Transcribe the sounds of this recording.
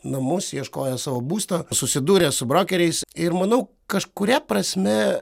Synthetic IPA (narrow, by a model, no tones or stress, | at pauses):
nɐmʊsjiɛʃkoːjɛsɑːʋoːbuːst̪ɐsʊsʲɪd̪uːɾʲeːsʊbɾoːkʲɛɾʲɛɪsɪɾmɐnɐʊ | kɐʃkʊɾʲɛprɐsʲmʲɛ